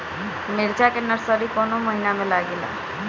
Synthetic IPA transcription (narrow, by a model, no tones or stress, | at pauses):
meɾt͡ʃakenəɾsəɾikɔnoməɦinamẽlaɡela̰